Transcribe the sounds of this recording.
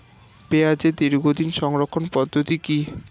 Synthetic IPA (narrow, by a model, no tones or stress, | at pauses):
bead͡ʑed̪iɾɡʱod̪inʃɔŋɾokʰːonpɔd̪ʱːot̪iki